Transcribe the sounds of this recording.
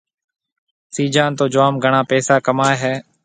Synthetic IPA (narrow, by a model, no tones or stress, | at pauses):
siːd͡ʒãːnt̪oːd͡ʒʊʋaːmɡʱəɳãːpɛːsaːkəmaːeɦɛː